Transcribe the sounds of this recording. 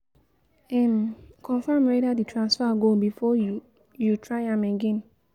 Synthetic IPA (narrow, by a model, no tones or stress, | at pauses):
ɛmkʰɔ̃nfamwedaditʰɹãnsfaɡobifɔju | jutʰɹaɪãmɛɡɛ̃n